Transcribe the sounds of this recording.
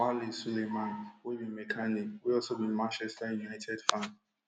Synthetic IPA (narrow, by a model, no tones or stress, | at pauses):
alisulemãnwebĩmɛkʰanikwiɔlsobĩmãnt͡ʃɛstajunaɪtʰɛdfãn